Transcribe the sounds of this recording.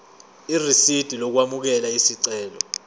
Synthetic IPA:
irisid̥ʱilɔk̬wamuk̬ɛlaisiǀɛːlɔ̰

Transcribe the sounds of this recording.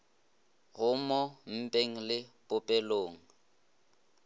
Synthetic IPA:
ɣʊmɔm̩pʼeŋ̩lɪpʼʊpʼɛloːŋ̩

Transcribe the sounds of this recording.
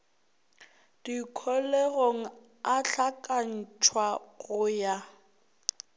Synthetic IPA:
d̥ikʰɔleɣoŋ̩ | aɬakʼan̩t͡ʃʰwaɣʊja

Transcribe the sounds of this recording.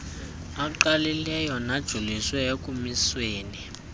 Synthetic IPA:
aǃalilɛjɔnad̥ʒ̥ʱuliswɛekʼumisweːni

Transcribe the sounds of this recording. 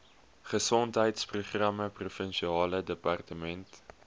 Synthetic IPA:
χəsɔntɦəjtspruχrɐməprufənʃiɑːlədəpɑrtəmɛnt

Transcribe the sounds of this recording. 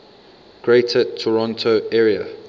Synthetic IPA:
ɡ̥ɹeɪtʰətʰɔɹɔ̃ntʰoɛːɹiə̰

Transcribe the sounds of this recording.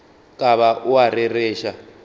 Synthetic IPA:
kʼaβaʔuarɛrɛːʃa

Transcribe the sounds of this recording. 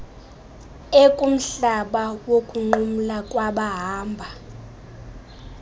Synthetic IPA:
ekʼum̩ɬaɓawokʼuŋ͡ǃum̩lakʼwaɓaɦaːmbʱa

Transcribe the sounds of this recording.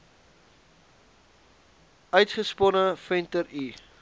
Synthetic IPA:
œɥtχəspɔnəfɛntəɾi

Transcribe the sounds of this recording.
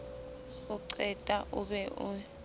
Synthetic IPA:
uǀʰɛtʼaʔuɓɛʔṵ

